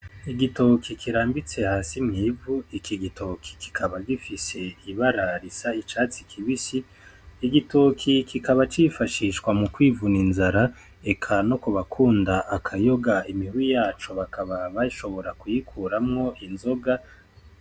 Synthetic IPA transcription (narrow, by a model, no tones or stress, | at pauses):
iɡitokʰikʰiɾaːmbit͡se̞haːsimŋiːvuikʰiɡitʰokʰi̥ki̥kʰaβaɡifise̞iβaɾaɾisait͡ʃaːt͡si̥kʰiβisiː | ɡitokʰikʰikaβat͡ʃifaʃiʃkwamukwiːvuninzaɾa | e̞kʰano̞kuβakʰuːndaʔːkʰajo̞ɡaimihijaːt͡ʃo̞βakʰaβaβaʃo̞βo̞ɾakujikʰuːɾamŋo̞ʔinzo̞ɡa